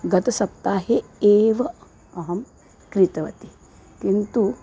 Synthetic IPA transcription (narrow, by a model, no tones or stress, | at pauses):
ɡɐt̪ɐsɐp̚t̪aːɦeeːʋɐ | ɐɦɐm | kɾit̪ɐʋɐt̪i | kint̪u